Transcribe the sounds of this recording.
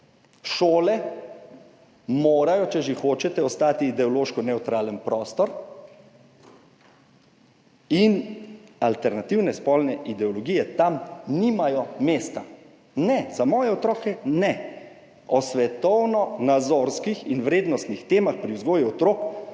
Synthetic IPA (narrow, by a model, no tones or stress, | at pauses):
ʃoːlɛ | moːɾajɔt͡ʃɛʒexoːt͡ʃɛt̪ɛɔst̪aːt̪iːd̪ɛɔloːʃkɔnɛwt̪ɾaːlənpɾɔːst̪ɔɾ | inalt̪ɛɾnat̪iwnɛspɔlnɛʔid̪ɛɔlɔɡiːjɛt̪amnimajɔmeːst̪a | nɛzamɔːjɛɔt̪ɾɔːkɛnɛ | ɔsʋɛt̪ɔwnɔnad̪zoɾskixinʋɾeːd̪nɔst̪nixt̪eːmaxpɾiwzɡoːjuɔt̪ɾoːk